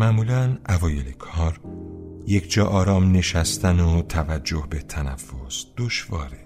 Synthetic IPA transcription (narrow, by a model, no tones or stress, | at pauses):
mæmuːlænʔævɒːjelekʰɒːɾje̞cʰd͡ʒɒːʔɒːɾɒːmne̞ʃæst̪ænot̪ʰævæd͡ʒːo̞hbe̞t̪ʰænæ̰fːosd̪̥oʃvɒ̰ːɾe